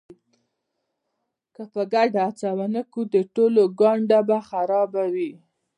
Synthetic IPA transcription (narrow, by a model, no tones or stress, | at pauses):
kəpəɡaɖaːt͡sawanəkud̪əʈoloɡɑɳɖabaxaɾɑbawi